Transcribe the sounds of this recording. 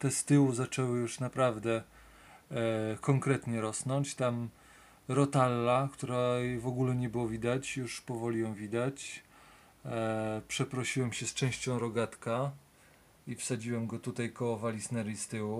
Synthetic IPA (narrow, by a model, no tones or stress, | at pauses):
t̪ɛst̪ɘwuzat͡ʂɛwɘjuʂnapɾavd̪ɛ | kɔŋkɾɛt̪ɲɛɾɔsnɔ̃ɲt͡ɕt̪am | ɾɔt̪alːakt̪uɾavɔɡulɛɲɛbɘwɔvʲid̪at͡ɕjuʂpɔvɔlʲijɔ̃w̃vʲid̪at͡ɕ | pʂɛpɾɔɕiwɛmɕɛst͡ʂɛ̃w̃ɕt͡ɕɔ̃w̃ɾɔɡat̪ka | ifsad͡ʑiwɛmɡɔt̪ut̪ajkɔvalʲisnɛɾʲist̪ɘwu